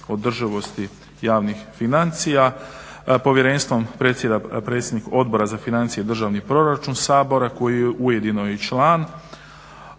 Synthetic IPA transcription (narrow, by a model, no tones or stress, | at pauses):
o̞d̪r̩ʒiʋo̞st̪i | jaːʋnixfinant̪sija | po̞ʋjeɾe̞nst̪ʋo̞mpɾe̞ːt̪sjed̪apɾet̪sjed̪niko̞d̪̚bo̞ɾazafinant̪sijed̪r̩ʒaːʋnipɾo̞ɾat͡ʃunsaːbo̞ɾako̞jijeʔuje̞d̪inojet͡ʃlaːn